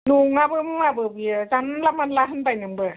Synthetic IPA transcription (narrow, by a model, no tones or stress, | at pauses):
nuŋabɯmabɯbɯjɯzanlamanlaɦɯnbajnɯŋbɯ